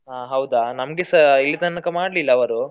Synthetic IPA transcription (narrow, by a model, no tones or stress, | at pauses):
aːɦɐwd̪anɐmɡesɐilːit̪ɐːɐkɐmaːɖlilːɐːʋɐɾu